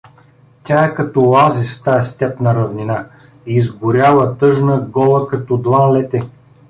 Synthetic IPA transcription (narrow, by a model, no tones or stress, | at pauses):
tʲaɛkɐt̪ɔlˠazisft̪aɛst̪ɛpnɐɾɐvnina | iːzɡʊɾʲjavɐt̪ɤʒnəɡɔlˠəkɐt̪ɔd̪vanlɛt̪ɛ